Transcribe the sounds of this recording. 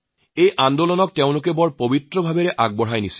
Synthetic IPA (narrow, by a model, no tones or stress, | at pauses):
ejʔandolɔnɔk̚teʊ̃lʊkɛbɔɹpobitɹɔbʱabeɹɛʔaɡ̚bɔɦajnisi̥